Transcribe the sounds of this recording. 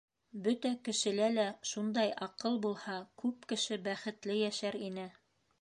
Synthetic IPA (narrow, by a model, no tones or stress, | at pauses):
bɵt̪ækɘ̆ʃɘ̆lælæʃund̪ɑjɑqɤlˠbulˠhɑkʉp̚kɘ̆ʃɘbæχɘ̆t̪lɘjæʃæɾinɘ